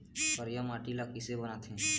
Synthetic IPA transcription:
pəɾjəmaʈilakɪsebənat̪ʰɛ̃

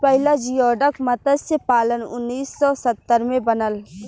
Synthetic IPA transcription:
pəɦɪlad͡ʒijɔːɖəkmɐt̪əd̪sepaːlənʊnːiːsːɔːsət̪ːəɾmẽbənəl

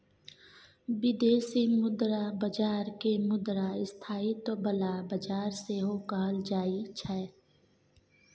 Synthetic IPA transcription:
bɪd̪eːsimʊd̪ɾabəd͡ʒaːɾkemʊd̪ɾaɪst̪ʰaːit̪obəlabəd͡ʒaːɾseɦokəɦəld͡ʒaːit͡ʃʰɛː

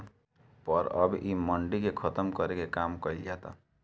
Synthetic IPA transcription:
pəɾəbʔiməɳɖikekʰʌt̪əmkʌɾekekamkɔild͡ʒat̪a̰

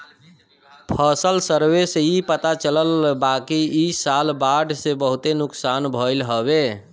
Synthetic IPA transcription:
pʰəsəlsəɾʋesipət̪at͡ʃələlbakiisalbaɖsebəɦut̪enuksanbʱəɪlɦəbe

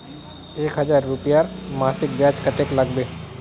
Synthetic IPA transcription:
eːkɦɐd͡ʒaːɾːʊpjaːɾmaːsɪk̚bjaːt͡ʃkəʈeːklɐɡbeː

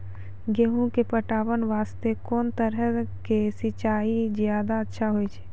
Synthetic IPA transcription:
ɡeɦũkepəʈaːʋənʋaːst̪ekɔːnt̪əɾəkesɪt͡ʃaːizjaːd̪aətːʃʰaɦoit͡ʃʰe̥ː

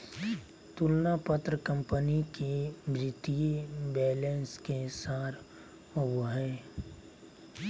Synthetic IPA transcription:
t̪ʊlnapət̪ɾəkə̃mpənikemɾɪt̪iebɛːlẽːnskesaːɾ | ʊwəɦɛː

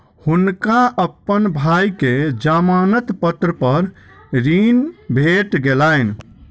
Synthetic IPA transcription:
hunkaəpːənbʱajked͡ʒamanət̪pət̪ɾəpəɾ | ɾinbʱeʈɡelajn

